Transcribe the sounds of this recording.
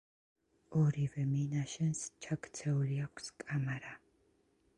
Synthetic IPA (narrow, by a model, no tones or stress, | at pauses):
ɔɾivɛminaʃɛnst͡ʃʰakʰt̪sʰɛuliakʷʰskʼamaɾa